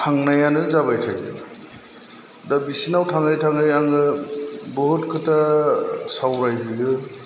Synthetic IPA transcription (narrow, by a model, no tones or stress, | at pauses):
tʰaŋnajanɯzaβajtʰajdɯ̰ | dabisinawtʰaŋajtʰaŋɯjaŋɯbɔɦutkʰɯta | sawɾajbidɯ